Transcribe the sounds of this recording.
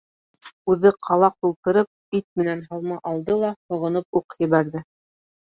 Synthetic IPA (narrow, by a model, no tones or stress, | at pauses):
ʉðɘqʰɑlˠɑq̚t̪ulˠt̪ɤ̆ɾɤp̚it̪̚mɘ̆nænɦɑlˠmɑʔɑlˠd̪ɤlˠɑhŏʁɤ̆nɤp̚uqjɘ̆βæɾðɘ